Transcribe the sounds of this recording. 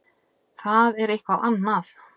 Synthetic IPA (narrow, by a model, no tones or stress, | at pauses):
θaðɛɾejhkvawʔanːaθ